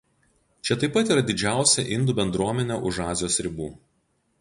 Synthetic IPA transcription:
t͡ʃʲɛt̪ɐɪpːɐt̪iːɾɐd̪ʲɪd͡ʒʲæˑʊsʲɛʔɪnd̪uːbʲɛnd̪ɾuɔmʲɛnʲɛʔʊʒɑːzʲɪjoːsɾʲɪbuː

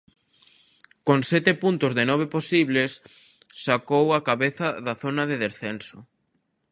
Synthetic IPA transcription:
koŋsɛt̪epunt̪ʊzðɪnɔβ̞eposiβlesː | akowɐkaβeθɐðaθonɐðeðesθɛnsʊ

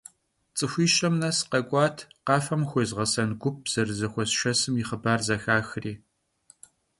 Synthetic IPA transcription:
t͡sʼɨxʷiːʃɐmnɐsqɐkʷʼɑːtʰqɑːfɐmxʷeːzʁɐsɐnɡʷʊp̚z̥ɐrɨzɐxʷɔsʃɐsɨmjiχəbaːrzɐxaːxriː

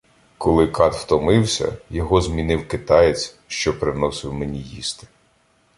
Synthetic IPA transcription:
kɔlˠɪkɑt̪wt̪ɔmɪwsʲɐ̰jɔɦɔzmʲinɪwkɪt̪ɑjet͡sʲ | ʃt͡ʃɔpɾɪnɔsɪwmenʲijḭst̪ɪ̥

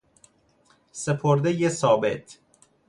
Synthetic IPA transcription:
sepʰoɾd̪ejesɒːbḛt̪ʰ

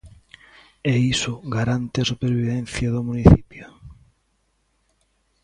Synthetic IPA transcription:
eisʊɣaɾant̪easupeɾβiðɛn̟θjɐðʊmuniθipjʊ

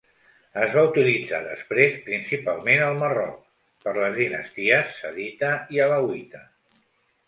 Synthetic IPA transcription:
əzβaut̪ilid͡za̰ðə̰spɾespɾinsipalˠmenəlˠmərɔ̰k̚ | pəɾləzðinə̰st̪iəsːəðit̪əiələwit̪ə

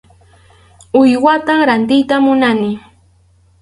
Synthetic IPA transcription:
ʊjwat̪amɾant̪ɪjt̪amʊnanɪ

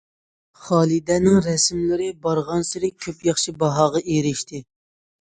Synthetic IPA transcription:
χɑːlˠid̪ɛnɪŋɾɛsmlɪɾɪbɑɾʁɑnsɪɾɪkʲʰøpjɑχʃibɑɦɑːʁɑʔeɾɪʃt̪ʰɪ

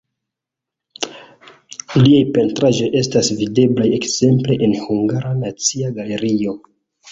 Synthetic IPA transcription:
liajpe̞ntɾaʒo̞jʔe̞stasvide̞blajekz̥e̞mple̞ʔenhuŋɡaɾanat͡siaɡale̞ɾio̞

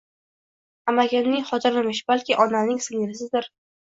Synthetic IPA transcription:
amaɡʲanːɪŋχɒt̪ɪɾɪmɪʃb̥alkʲɪʔɒnanɪŋsɪŋɪɾɪsɪd̪ɪɾ

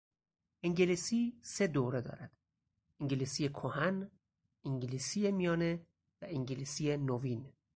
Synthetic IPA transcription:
ʔiŋɟelisiːse̞d̪oːɾe̞d̪ɒ̰ːɾæd̪̥ | ʔiŋɟelisijekʰohæn | iŋɟilisije̞mijɒːne | væʔiŋɟilisijenovin

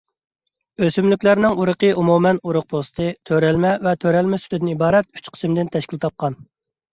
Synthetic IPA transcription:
øsymlykʲlæɾnɪŋuɾəqəʔumumɛnuɾʊq̚pʰost̪ʰɨt̪ʰøɾɛlmɛvɛt̪ʰøɾɛlmɛsy̥t̪ʰɪd̪ɪnɪibɑːɾɛt̪̚y̥t͡ʃqʰə̥smd̪ɪnt̪ʰɛʃkʲilt̪ʰɑp̚qʰɑn

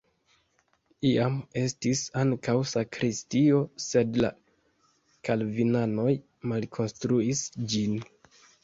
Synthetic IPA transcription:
iame̞stisaŋkawsakɾʔistio̞se̞dla̰ | kalvinano̞j | malkʰo̞nstɾuisd͡ʒin

